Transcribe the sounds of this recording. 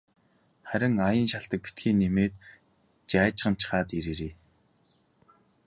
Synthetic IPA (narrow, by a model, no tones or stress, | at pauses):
χæɾʲɪ̆ŋajə̆nʃaɬt̪ə̆k̚pi̥t̪ɡiːnːemeːt̪ | t͡ɕæːt͡ɕχə̆n̥t͡ɕʰχaːt̪iɾeːɾeː